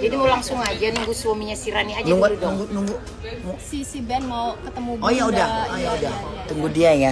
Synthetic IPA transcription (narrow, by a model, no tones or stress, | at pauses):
d͡ʒadimaulaŋsʊŋad͡ʒanuŋɡuswamiɲasiɾaniad͡ʒnauŋɡunuŋɡunuŋɡu | msisibɛnmaukət̪əmuojaudahojaudaht̪uŋɡudiaja